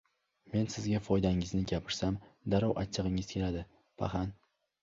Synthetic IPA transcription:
me̞nsɪzɡʲafɒjd̪aɪŋɪznɪɡʲapʰɪɾsamd̪aɾɒwʔat͡ʃʰːɨʁɪŋɪzkʲʰe̞lad̪ɪ | pʰa̰χan

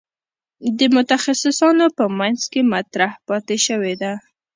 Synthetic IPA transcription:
d̪əmʊt̪axasɪsɑnopəmanzkemat̪ɾahpɑt̪eʃəwed̪a

